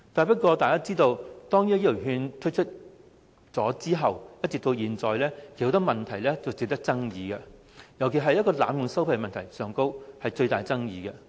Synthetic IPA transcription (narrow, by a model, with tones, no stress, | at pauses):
t̪aː˨˩pɐ˥t̚kɔː˧t̪aː˨jkaː˥t͡siː˥t̪o˧wt̪ɔː˥ŋjyː˥jːɦyː˧nt̪ʰɵ˥t͡ʃʰɵ˥t̚ | t͡sɔː˨˥t͡siː˥ɦɐ˨wjɐ˥t̚t͡sɪ˨kt̪o˧jiː˨nt͡sɔː˨jlɛː˥kʰe˨˩t̪ʰo˨˥t̪ɐ˥k̚mɐ˨nt̪ʰɐ˨˩jlɛː˥t͡sɐ˨wt͡sɪ˨k̚t̪ɐ˥k̚t͡sɐ˥ŋjiː˨˧ɡɛ˧ | jɐ˨˩wkʰe˨˩ɦɐ˨jɐ˥tkɔː˧la̰ː˨˥mjʊ˨ŋsɐ˥wpʰɐ˨˧jmɐ˨nt̪ʰɐ˨˩jsœː˨˧ŋko˥whɐ˨jt͡ʃɵ˧ɥt̪a̰ː˨jt͡sɐ˥ŋjiː˨˧kɛ˧